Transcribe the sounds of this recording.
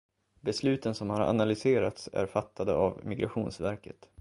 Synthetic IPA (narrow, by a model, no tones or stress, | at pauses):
bɛslʉ̟ːt̪ənsɔmhaɾʔa̰nalʏseːɾat̪sæ̰ɾfat̪ːad̪ə̰avmɪɡɾʔaɧuːnsvæɾkət̪